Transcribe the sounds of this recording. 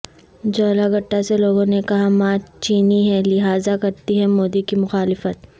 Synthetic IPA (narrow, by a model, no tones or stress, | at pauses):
d͡ʒoːlaɡɐʈːaseloːɡõnekɐɦamaːt͡ʃiːniɦɛ̃lɪɦaːzakɐɾt̪iɦɛ̃moːd̪ikimʊxaːlɪfət̪̚